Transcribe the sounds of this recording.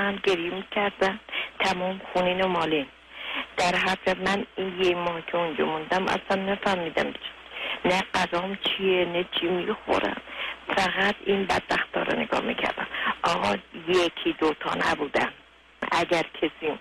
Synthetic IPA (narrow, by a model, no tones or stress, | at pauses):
ænɟeɾjemikʲʰæɾd̪ænt̪ʰæmɔːmxuniːnomɒːlin | d̪̥æɾɦæɾd͡ʒæd̪mæninjecmɒːhkʲʰeund͡ʒɒmund̪æmʔæ̰sænːæfæhmiːd̪æmt͡ʃʰ | næɢæzɒːmt͡ʃʰienet͡ʃʰimixo̰ɾʔæ̰nfæɣæt̪ʰinbæ̰d̪̥̚bæxt̪ɒ̰ːɾḛneɡɒ̰ːhmḭcʰæ̰ɾd̪æ̰mʔɒːɣɒjekʰiːd̪ot̪ʰɒ̰ːnæ̰buːd̪æn | æ̰ɟʲæɾkʰesiː